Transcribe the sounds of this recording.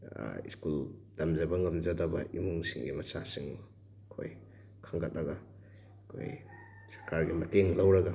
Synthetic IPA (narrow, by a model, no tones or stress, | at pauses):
ḭskuld̥ɐmzɐbɐŋɐmzɐdɐbɐ̰ʔimuŋsiŋɡimɐsasiŋm | kʰo̰j | kʰaŋɡat̚ːɐɡa | kʰo̰j | sɐ̥ɾkaɾɡimɐteŋlawɾɐɡa